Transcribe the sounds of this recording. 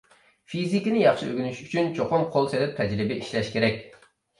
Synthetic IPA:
fizikʲinɪjɑχʃiʔø̰ɡʲynyʃyt͡ʃʰynt͡ʃʰoqʊmqʰolˠselɛp̚t̪ʰɛd͡ʒɾɪbɪiʃlɛʃkʲʰeɾɛk̚ʲ

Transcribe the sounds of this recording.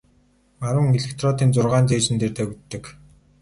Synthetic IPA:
maɾə̆ŋeɮekt̪ʰrɔt̪iːnt͡sʊrʁaːnt͡seːt͡ɕɘ̆nt̪eːrt̪ʰaːkut̪ːɘ̆k

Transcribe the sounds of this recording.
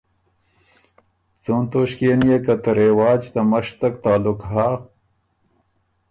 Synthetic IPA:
t͡sont̪oɕkeːnijekɐt̪ɐɾewaːd͡ʒt̪ɐmɐʂt̪ɐk̚t̪aːlukɦa

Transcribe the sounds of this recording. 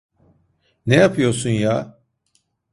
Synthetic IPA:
nejapʰɯjo̞ɾsunjaː

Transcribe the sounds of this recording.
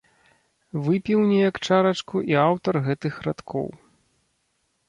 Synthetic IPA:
vɨpʲiwnʲɛjɐkt͡ʂaɾɐt͡ʂkuʔiawt̪ɐrɣɛt̪ɨxrat̪kʰɔ̰w

